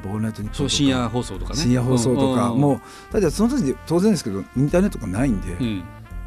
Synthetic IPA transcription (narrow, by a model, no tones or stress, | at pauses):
bonajt̪oɲioɕĩjaɦoːsoːt̪okaɕĩjaɦoːso̞ːt̪okamoː | t̪at̪esonot̪ok̬ʲid̪et̪o̞ːzẽnesɨ̥ked̪oĩnt̪aːne̞t̪ːoɡanaĩnd̪e̞̰